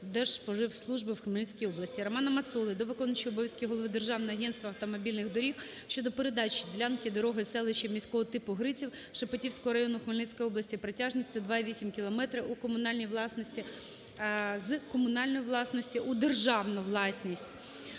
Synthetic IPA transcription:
d̪ɛʒ̥pɔʒɪwslˠuʒbɪwxmelʲisʲkʲijɔblɐsʲtʲiɾɐmɑnɐmɐt̪sulˠɪd̪ɔʋɪkɔnɐt͡ʃiɔbɔʋʲjɐsʲkʲijɦɔlˠɔʋɪd̪erʒɑwnɔɔɐɦɛnst̪ʋɐɐwt̪ɔmɔbʲilʲnɪɣd̪ɔɾʲiw | ʃt͡ʃɔd̪ɔpeɾed̪ɑt͡ʃʲid̪ʲilʲankʲɪd̪ɔɾɔɦɪsɛlˠɪʃɐmʲisʲkɔɦɔt̪ɪpʊɦɾɪt͡sʲiwʃɐpɔtʲiwsʲkɔɦɔɾɐjɔnʊxmelʲnɛsʲkɔjɔblˠɐsʲtʲipɾetʲɑʒnʲisʲtʲʊd̪ʋɑiʋʲisʲimkʲilˠɔmɛt̪ɾɪukɔmʊnɑlʲnʲijʋlˠɑsnɔsʲtʲi | zkɔmʊnɑlʲnɔjiʋlˠɑsnɔsʲtʲiʔud̪erʒɑwnʊʋlˠɑsʲnʲisʲtʲ

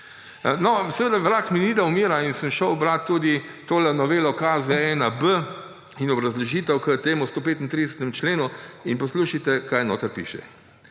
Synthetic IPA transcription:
nɔsɛʋeːd̪aʋɾaːkminid̪aumiːɾainsəmʃəwbɾat̪ːuːd̪it̪oːlɛnɔʋeːlɔkaːzɛɛnabə | inɔbɾazlɔʒiːt̪əwkət̪eːmust̪oːpeːt̪int̪ɾid̪ɛsɛ̥t̪ɛmt͡ʃleːnuinpɔsluːʃit̪ɛkaːjno̰ːt̪əɾpḭːʃɛ̰

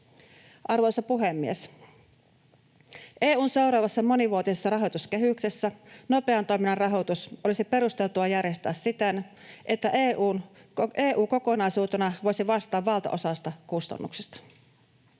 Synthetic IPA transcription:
ʔɑrʋojsɑpuɦemːies | ʔeːuːnse̞uɾɑːʋɑsːɑmo̞niʋuot̪isesːɑrɑɦo̞t̪uskeɦyksesːæno̞pe̞ɑnt̪ojminɑrɑɦot̪usʔo̞lisipe̞ɾust̪e̞lt̪uɑjærjest̪æːssit̪en | ʔet̪ːæʔeːʔuːneːʔuːko̞ko̞nɑisuːt̪enɑʋo̞jsiʋɑst̪ɑːʋʋɑlt̪ɑ̰ʔo̞sɑst̪ɑkust̪ɑ̰nːuksest̪ɑ̥

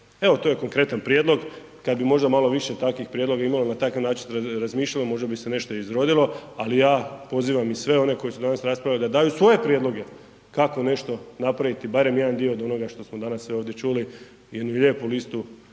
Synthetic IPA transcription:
e̞ʋo̞t̪ojeko̞ŋkɾe̞t̪anpɾjed̪lo̞ɡ | kad̪̚bimo̞ʒd̪amalo̞ʋiʃet̪akʋixpɾjed̪lo̞ɡaimalonat̪akaʋnaːt͡ʃinsɾazmiːʃʎalomo̞ʒd̪abise̞ne̞ʃt̪oizɾo̞d̪ilo̞alijaːpo̞ziːʋamisʋe̞o̞ne̞ko̞jisud̪anasɾaspɾaʋjalid̪ad̪aːjusʋo̞je̞pɾjed̪lo̞ɡe̞ | kako̞ne̞ʃt̪o̞napɾaʋit̪ibaɾe̞mje̞d̪and̪ioːd̪o̞no̞ɡaʃt̪o̞smod̪anasːʋio̞ːʋd̪jet͡ʃuli | jed̪nuilʲje̞ːpulist̪u

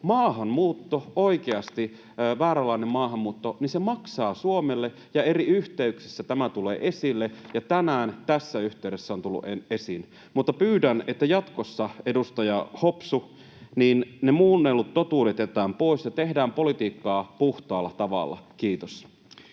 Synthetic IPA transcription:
mɑːɦɑmmuːt̪ːoo̞ikeɑst̪i | ʋæːɾɑlɑinemmɑːɦɑmːuːt̪ːonisemɑksɑːsuomelːe | jɑe̞riyht̪eyksi̥sːæt̪æmæt̪ulḛːʔe̞silːejɑt̪ænæːnt̪æsːæyht̪eyɾesːæont̪ulːṵʔee̞sin | mut̪ːɑpyːdænet̪ːæjɑt̪kosːɑe̞dust̪ɑjɑhopsu | niːnnemuːnːelːut̪tot̪uːdet̪et̪æːmpo̞isjɑt̪ehdæːmpo̞lit̪iːkːɑːpuht̪ɑːlːɑt̪ɑʋɑ̰lːɑ̰kiːt̪os

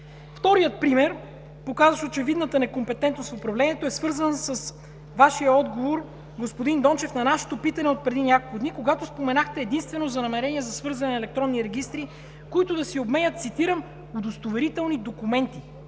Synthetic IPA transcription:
ft̪ɔɾijət̪̚pɾimɛɾ | pokazvəʃot͡ʃɛvid̪nət̪ənɛkompɛt̪ɛnt̪nosfopɾɐvlɛniɛt̪oɛsvɤɾzənsəs | vaʃijəɔd̪ɡovoɾ | ɡospod̪ind̪ɔnt͡ʃɛfnɐnaʃɛ̥t̪opit̪ɐnɛot̪̚pɾɛd̪inʲakolˠkʊd̪nikoɡat̪ospomɛnaxt̪ɛːd̪inst̪vɛnozɐnɐmɛɾɛniɛzɐsvɤɾzɐnɛnɐɛlɛk̚t̪ɾɔnːiɾɛɡ̟ist̪ɾi | koit̪ʊd̪ɐsiobmɛnʲət̪t̪sit̪iɾəm | od̪ost̪ovɛɾit̪ɛlˠnid̪okumɛnt̪i

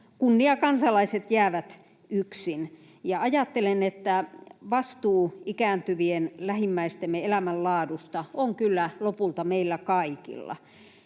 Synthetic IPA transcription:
kunːiɑkɑnsɑlɑiset̪jæːʋæt̪ | yksin | jɑɑjɑt̪ːelenet̪ːæʋɑst̪uːikæːnt̪yʋienlæhimːæist̪emːeelæmællɑːdust̪ɑoŋkylːælopult̪ɑmeilːækɑikḭlːɑ̰

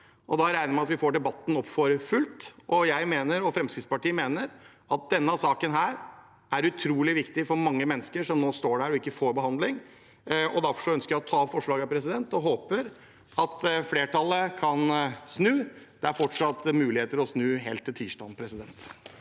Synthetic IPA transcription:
ʔɔd̪ɑɾæɪnəmæɑt̪ʋɪfoːɖɛbɑt̪ːn̩ɔpːfɔɾfʉlt̪ʔɔjæɪmeːnəɾɔfɾɛmskɾɪt̪spɑʈiːəmeːnəɾ | ɑt̪̚d̪ɛnːəɑsɑːkənɦæːɾ | ʔæɾʉt̪ʰɾuːlɪʋɪkt̪ɪfɔɾmɑŋːəmɛnːəskəʂɔmnoːst̪oːɖæɾɔɪkːəfoːɾbəhɑnd̪lɪŋ | ɔd̪æɾfɔ̥ʂɔœnskəjæɪɔt̪ʰɑːpfɔʂɭɑːɡɑpʰɾɛsɪd̪ɛnt̪ɔɦoːpəɾ | ɑt̪fleːʈʰɑlːəkʰɑnsnʉːd̪̥ɛæɾfɔʈʂɑt̪ːmʉːlɪheːt̪əɾɔsnʉːɦḛːlt̪ʰːɪlt̪ʰiːʂʈɑ̰ːnpʰɾɛsɪd̪ɛnt̪

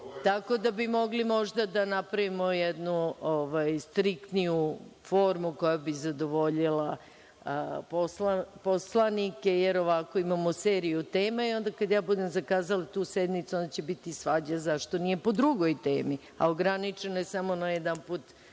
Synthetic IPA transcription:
t̪ako̞d̪abimo̞ɡlimo̞ʒd̪ad̪anapɾaʋimojɛd̪nuoʋajst̪ɾikt̪nijufo̞ːɾmuko̞jabizad̪oʋo̞ʎila | poslaposlˠanike̞jeɾoʋako̞imamoseːɾijut̪eːmaio̞nd̪akad̪jaːbud̪e̞mzakaːzalat̪uːsed̪nit̪sund̪at͡ɕebit̪isʋaːd͡ʑazaʃt̪o̞nije̞po̞d̪ɾuɡojt̪eːmi | a̰oɡɾanit͡ʂenojesamo̞najed̪anpuːt̪

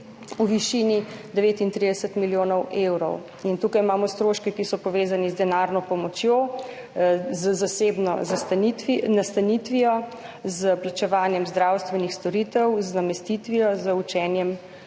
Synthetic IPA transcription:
uʋiʃiːnid̪ɛʋeːt̪int̪ɾid̪ɛsət̪miljoːnɔwʔewɾɔ̰w | int̪uːkajmaːmɔst̪ɾoːʃkɛkisɔpɔʋeːzanizd̪ɛnaːɾnɔpɔmɔt͡ʃjoː | zzaseːbnɔ̰zast̪it̪ʋinast̪anit̪ʋijɔ | zəplat͡ʃɛʋaːnjɛmzd̪ɾawst̪ʋɛnixst̪ɔɾiːt̪ɛwznamɛst̪it̪ʋiɔzəut͡ʃɛːnjɛm

